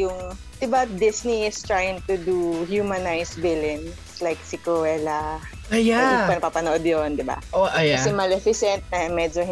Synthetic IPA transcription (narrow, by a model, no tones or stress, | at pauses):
jʊŋ | d̪̥ɪbad̪ɪsniɪst̪ɹajɪ̃ŋt̪ud̪uhjumɐnajsvɪlɪnslajksɪkoɛlɐ | ajapɐnɐpapɐnoʔod̪jond̪ɪba̰ʔoʔajkɐsɛmɐlɛfɪsɛnt̪̚ɐmɛd͡ʒo